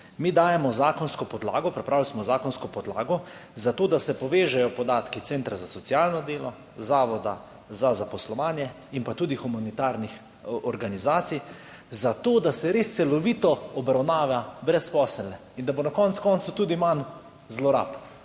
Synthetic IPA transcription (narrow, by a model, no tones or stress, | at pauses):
miːd̪aːjɛmɔzaːkɔnskɔpɔd̪la̰ːɡɔpɾɛpɾaːwilsmɔzaːkɔnskɔpɔd̪la̰ːɡɔzat̪oːd̪asɛpɔʋeːʒɛjɔpɔd̪aːt̪kit̪seːnt̪ɾazasɔt̪sjaːlnɔd̪eːlɔ | zaːʋɔd̪a | zazapɔslɔʋaːnjɛ | inpat̪uːd̪ixumanit̪aːɾnix | ɔɾɡanizaːt̪sij | zat̪oːd̪asɛɾeːst̪sɛlɔʋiːt̪ɔɔbɾawnaːʋjabɾɛspɔsɛlnɛ | ind̪abonakɔnt̪skɔnt̪sut̪uːd̪iman | zlɔɾa̰ːp